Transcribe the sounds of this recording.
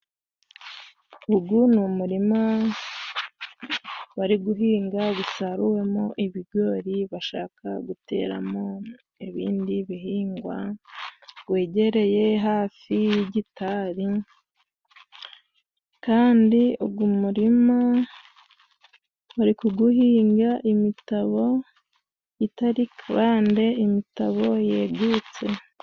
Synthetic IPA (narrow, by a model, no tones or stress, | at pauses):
uɡunumuɾima | waɾiɡuɦiːŋɡaɡusaɾuwe̞moʔiβiɡo̞ɾiβaʃaːkaɡute̞̰ːɾa̰mo̞ | iβḭːndiβiɦiːŋɡwa̰ | ɡwe̞ːɟe̞ɾe̞je̞ɦaːfiɟitaɾi | kaːndiuɡwumuɾima | uɾikuɡuhiːŋɡaʔimitaβo̞ | itaɾikβaːnde̞imitaβo̞jeːɡut͡se̞